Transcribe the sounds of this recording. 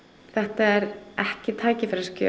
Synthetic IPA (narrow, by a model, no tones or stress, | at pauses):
θɛht̪aɛɾɛhcɪt̪ʰaːjcɪfɛɾḁscœ